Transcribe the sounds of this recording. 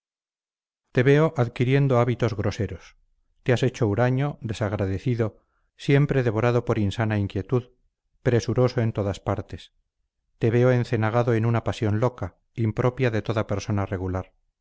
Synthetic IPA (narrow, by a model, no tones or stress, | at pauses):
t̪e̞βe̞oʔaðkiɾje̞nd̪oaβit̪o̞zɣɾo̞se̞ɾos | t̪ease̞t͡ʃo̞uɾaɲo̞ðe̞saɣɾaðe̞θiðo̞ | sje̞mpɾeðe̞βo̞ɾaðo̞po̞ɾinsanaiŋkje̞t̪uð | pɾe̞suɾo̞soe̞nt̪o̞ðaspaɾt̪e̞s | t̪e̞βe̞oe̞nθe̞naɣ̞aðo̞enunapasjo̞nlo̞ka | impɾʔo̞pjaðe̞t̪o̞ðape̞ɾso̞nareɣulaɾ